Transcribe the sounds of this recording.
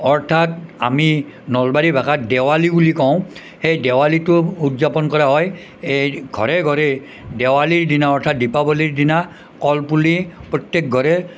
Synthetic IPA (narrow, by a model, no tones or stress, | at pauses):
ɔɹtʰata̰minɔlbaɾibʱakatdɛwalibulikɔʊ̃ | xejdɛwalitʊutzapɔnkɔɹaɦɔj | ejɡʱɔ̰ɹɛɡʱɔɹɛ | dɛwaliɹdinaɔɹtʰat̚dipabɔliɹdina | kɔlpulipɹɔtjek̚ɡʱɔɹɛ